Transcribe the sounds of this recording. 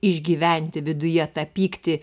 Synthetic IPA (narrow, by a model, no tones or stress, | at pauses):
ɪʒʲɡʲiːʋʲɛnʲt̪ʲɪʋʲɪd̪ʊjɛt̪ɐpʲiːkt̪ʲɪ